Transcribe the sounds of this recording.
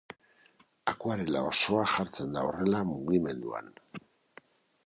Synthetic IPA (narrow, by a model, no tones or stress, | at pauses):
akoaɾela̰o̞so̞aʝaɾt͡se̞nd̪ao̞re̞lamuɣime̞nd̪ua̰n